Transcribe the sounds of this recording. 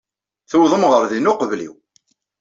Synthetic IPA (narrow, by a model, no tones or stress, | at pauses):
θəwðˤəmʁəɾˤðinʊqəvlḭw